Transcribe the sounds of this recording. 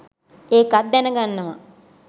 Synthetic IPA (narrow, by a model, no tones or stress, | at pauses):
eːkad̪ːɛnəɡanːɐmɐ̰